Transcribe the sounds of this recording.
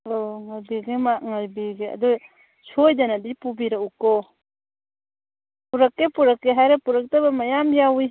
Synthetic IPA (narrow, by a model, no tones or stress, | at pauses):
hɐloŋajbiɡemaŋaɾbiɡeɐ̰doj | sʰojdanadipubiɾaukːɔ | puɾɐkːepuɾɐkːeɦajɾepuɾɐk̚tabɐmajamjawi